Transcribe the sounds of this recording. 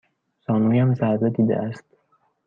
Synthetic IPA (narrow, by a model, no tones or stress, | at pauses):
sɒːnuːjæmzæɾzed̪iːd̪ḛʔæst̪